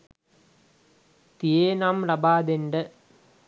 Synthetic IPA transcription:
t̪ijeːnaːmlɐbaːd̪enɖɐ

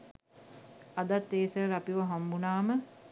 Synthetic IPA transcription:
ɐd̪at̪ːeːsəɾapiʋɐɦambunaːmə

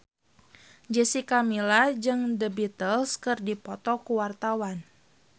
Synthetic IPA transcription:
d͡ʒəsikamilad͡ʒɨŋdəbit̪əlskɨrdipɔt̪ɔkuwart̪awan

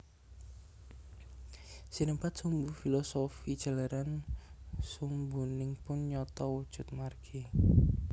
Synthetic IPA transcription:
sinəmpat̪̚sumbufilɔsofid̥ʒ̥ə̤laɾan | sumbunɪŋpʊnɲɔt̪ɔwud̥ʒ̥ʊ̤t̪̚marɡ̥i

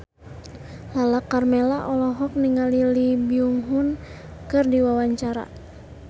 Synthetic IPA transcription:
lalakarmɛlaʔɔlɔɦɔk̚niŋalilibiuŋɦun | kɨrdiwawaɲt͡ʃaɾa̰

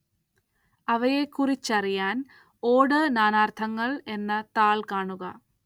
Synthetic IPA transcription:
ɐʋɐjekːurit͡ɕːɐrijaːn | o̞ːɽɨnaːnaːrt̪ʰɐŋːɐɭe̞nːɐt̪aːɭkaːɳuɣɐ

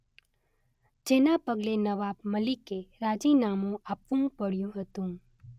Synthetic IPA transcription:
d͡ʒenapəɡlenəʋabməlikeɾad͡ʒinamũapʋũpəɽjũɦət̪ũ

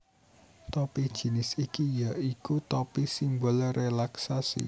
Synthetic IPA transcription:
t̪ɔpid̥ʒ̥i̤nɪsikijaikut̪ɔpisimbɔlrʔelaksasḭ

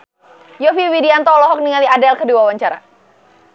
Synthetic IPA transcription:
jofiwidiant̪ɔlɔɦɔk̚niŋaliadɛlkəduawaɲt͡ʃaɾa̰

